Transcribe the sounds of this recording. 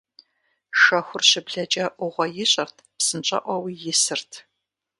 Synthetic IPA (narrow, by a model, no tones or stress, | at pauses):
ʃɐxʷʊrɕɪbɮɐt͡ʃʼɐʔʷʊʁʷɔjɪɕʼɐrtʰpsɨnt͡ʃʼɐ̰ʔʷɔwijɪsɨrtʰ